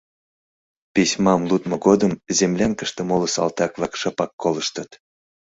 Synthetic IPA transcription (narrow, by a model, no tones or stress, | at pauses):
pisʲmɑmlut̪moɡod̪əmzemlʲænkə̆ʃt̪ə̆moləsɑ̰lt̪ɑkvɑkʃɑpɑkːoləʃt̪ət̪